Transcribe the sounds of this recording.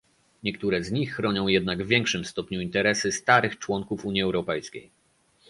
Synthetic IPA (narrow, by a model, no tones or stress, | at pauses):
ɲɛkt̪uɾɛzɲixːɾɔɲɔ̃w̃jɛd̪naɡvvʲjɛŋkʂɘmst̪ɔpɲuint̪ɛɾɛsɘst̪aɾɘxt͡ʂwɔŋkufuɲjiɛwɾɔpɛjskʲḛj